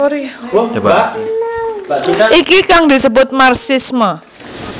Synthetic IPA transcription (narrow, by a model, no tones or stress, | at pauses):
b | ʔikikaŋd̪i̤səbʊt̪̚marsɪsmə